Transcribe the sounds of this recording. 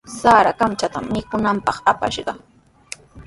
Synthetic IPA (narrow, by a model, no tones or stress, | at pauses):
saɾakamt͡ʃat̪amːɪkʊnampɑχapa̰ʃɢɑ